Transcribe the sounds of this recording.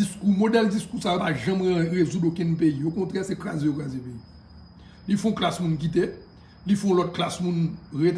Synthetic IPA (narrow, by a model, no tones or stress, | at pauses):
iskumodɛld͡ziskusajopaʒɐ̃mɣezudokɛ̃npejiokɔ̃t̪ʁɛsɛkla̰zɛ̃okazjepeji | lifɔ̃klasmũnk̬it̪e | lifɔ̃ɔ̃lɔt̪̚klasmũnɣet̪